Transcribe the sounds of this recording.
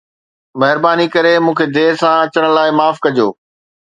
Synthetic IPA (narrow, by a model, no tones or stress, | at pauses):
mɐɦɪɾbaːnikɐɾemũːkʰed̪eːsãɐt͡ɕəɽ̃laːɪmaːfkɐd͡ʑoː